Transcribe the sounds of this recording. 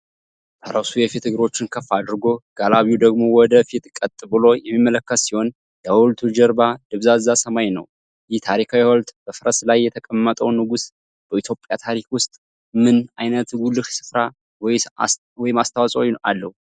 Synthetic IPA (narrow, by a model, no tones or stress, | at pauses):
bʰəɾəsujɛfit̪ɨɡɨɾo̞t͡ʃːɪnkʰəfːad̪ɾɨɡo̞ɡ̥alaβjud̪əɡmo̞wɔd̪əfit̪ʼkʼət̪ʼɨbɨlo̞jɛmːimːələkːət̪siho̞n | ləwɔlt̪ʰud͡ʒəɾbad̪ɨβzazːasəmajnə̰w | jɪht̪ʰaɾikʰawiwɔlt̪b̥əfɨɾəslajːɛt̪ʰəkʼəmːət̪ʼəwnɨɡus | b̥əit̪ʰjo̞pʼjat̪ʰaɾikwʊst̪ʼ | mɨnajnət̪ɡulɨʃsɨ̥fɾa | w | wɔjɪmast̪ʰawasʼowa̰lːəhu